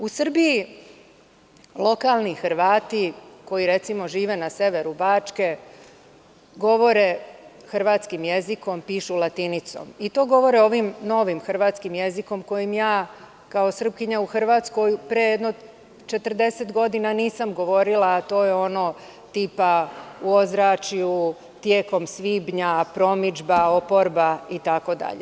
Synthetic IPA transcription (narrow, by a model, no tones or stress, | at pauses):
usr̩bii | lˠo̞kalˠnixr̩ʋaːt̪iko̞jiɾe̞t̪simo̞ʒiːʋe̞nase̞ʋe̞ɾubaːt͡ʂke̞ | ɡo̞ʋo̞ɾe | xr̩ʋaːt̪skimjeziko̞mpiːʃulˠat̪init̪so̰mit̪o̞ːɡo̞ʋo̞ɾeo̞ʋimno̞ʋimxr̩ʋaːt̪skimjeziko̞mko̞jimjaː | kao̞sr̩pkiɲauxr̩ʋat̪sko̞jpɾejed̪no | t͡ʃe̞t̪r̩d̪e̞set̪ɡo̞d̪inaniːsamɡo̞ʋo̞ɾilaːt̪o̞ːjeo̞noː | t̪iːpauo̞zɾat͡ʃiu | t̪je̞ːko̞msʋiːbɲapɾo̞mid͡ʒbao̞po̞ɾbait̪ako̞d̪a̰ʎḛ